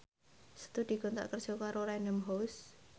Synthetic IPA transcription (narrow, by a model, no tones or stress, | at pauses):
sə̥t̪ud̥̪i̤ɡ̥ɔ̤nt̪a̰ʔkər̥ʒ̥ɔ̤kaɾoɾaɛnəmɦos